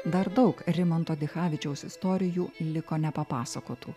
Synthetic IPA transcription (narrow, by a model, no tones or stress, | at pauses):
d̪ɐɾd̪ɐʊkɾʲɪmɔnt̪oːd̪ʲɪxɑːʋʲɪt͡ʃʲɛʊsɪst̪oːɾʲɪjuːlʲɪkoːnʲɛpɐpɑːsɐkoːt̪ʰṵː